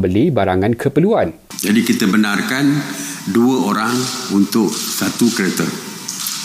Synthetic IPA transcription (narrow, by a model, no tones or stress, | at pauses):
mbəlibaɾaŋankʰəpəluan | d͡ʒadikit̪əbənarkanduəoɾaŋunt̪ʊʔ̚sat̪ukɾet̪ə̰r